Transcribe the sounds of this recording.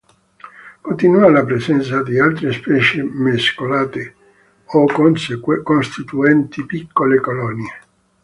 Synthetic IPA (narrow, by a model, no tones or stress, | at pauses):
kont̪inualapɾesɛnt̪sad̪ialt̪ɾespɛːt͡ʃemeskolaːt̪e | oknskonst̪it̪uɛnt̪ipikːolekolɔnje